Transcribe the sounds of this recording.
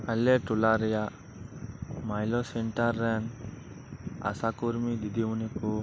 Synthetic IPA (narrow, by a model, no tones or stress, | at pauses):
ɐlːeʈulaɾija | majloseɳʈaɾːɛn | a̰sakuɾmid̪id̪iʋuniku